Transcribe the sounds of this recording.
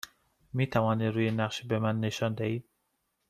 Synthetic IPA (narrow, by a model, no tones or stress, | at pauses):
miːt̪ʰævɒːniːd̪ɾuːjenæqʃbemænːeʃɒːnd̪æhiːd̪̚